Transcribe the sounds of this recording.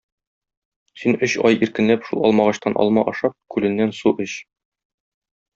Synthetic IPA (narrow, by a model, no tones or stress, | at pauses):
sinɵɕɒ̰jiɾkɘ̆nlæpʃulˠɒ̰lˠmɑʁɑɕt̪ɑnʔɒ̰lˠmɑʔɒʃɑp̚kʉlɘ̆nːænsuʔɘɕ